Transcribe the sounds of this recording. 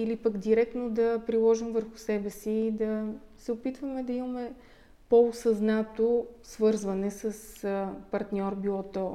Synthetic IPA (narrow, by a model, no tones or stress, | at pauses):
ilipəɡd̪iɾɛk̚t̪nod̪ɐpɾilˠɔʒimvəɾxʊ̥sɛbɛsiːd̪ɐsɛopit̪vɐmɛd̪ɐimɐmɛ | poːsɐznat̪osvɤɾzvɐnɛsɐspɐɾt̪nʲɔɾbilˠɔt̪ɔ